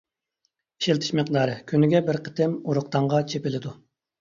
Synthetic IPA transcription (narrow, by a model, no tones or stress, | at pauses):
i̥ʃelt̪ʰi̥ʃmɪq̚d̪ɑːɾɨkʲʰynɪɡʲɛbɪɾqʰə̥t̪ʰɪmuɾʊq̚t̪ʰɑɴʁɑt͡ʃʰepɪlɪd̪u